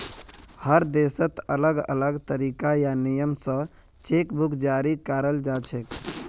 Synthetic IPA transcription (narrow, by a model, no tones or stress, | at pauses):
həɾd̪esət̪ələɡə̰ləɡt̪əɾiːkajanijəmsə̃ | t͡ʃekbʱukʰd͡ʒaːɾikaɾəld͡ʒat͡ʃʰek